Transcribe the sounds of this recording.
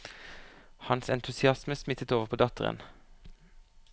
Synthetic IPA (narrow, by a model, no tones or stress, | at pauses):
hɑnsɛnt̪ʰʉsɪɑsməsmɪt̪ət̪oːʋəʁpʰoːd̪ɑt̪əʁə̰n